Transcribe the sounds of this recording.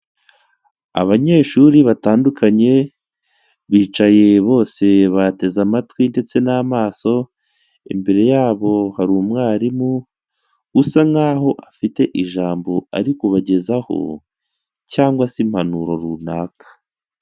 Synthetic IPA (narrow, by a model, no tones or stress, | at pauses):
a̰βaɲe̞ːʃuɾiβataːndukʰaɲe̞ | βiːt͡ʃaje̞βo̞ːse̞βate̞zamatwinde̞t͡se̞namaːso̞ | imbe̞ɾe̞jaːβo̞haɾuːmŋaːɾimu | husaŋhaːɦo̞ʔafite̞ʔiʒaːmbo̞a̰ɾikoβaɟe̞zaho̞̰ | caːŋɡwasim̥hanuɾoɾunaːkḁ